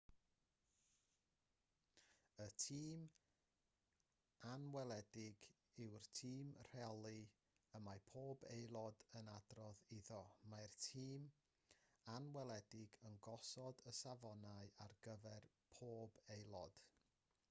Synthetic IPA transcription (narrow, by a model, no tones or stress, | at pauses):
ətʰiːm | anwɛlˠɛdɪɡ | ɪwrtʰiːmr̥ɛlˠi | əmapʰoːbejlˠɔdənadrɔðiðɔmajrtʰiːm | anwɛlˠɛdɪɡənɡɔsɔdəsavɔnaɨarɡəvɛr | pʰoːbejlˠɔd̥